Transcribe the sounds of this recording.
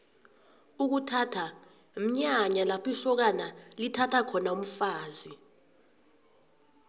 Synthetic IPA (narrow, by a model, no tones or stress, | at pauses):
uk̬utʰatʰa | m̩ɲaɲalapʰisɔk̬analitʰatʰakʰɔnaum̩faːzi